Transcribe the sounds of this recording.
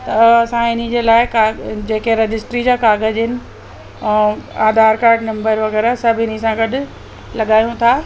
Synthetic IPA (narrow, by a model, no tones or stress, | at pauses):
t̪ɐɐsãɪnid͡ʑeːlaːɪkad͡ʑeːkeɾɐd͡ʑɪsʈɾid͡ʑaːkaːɡəd͡ʑɦɪnɪ̆ | ɛ̃ːaːd̪ʱaːɾkaːɾɖnɐ̃mbəɾʋɐɣɛːɾasɐbʱɪnĭsãɡɐɗʊ̆ | lɐɠaːjũt̪ʰaː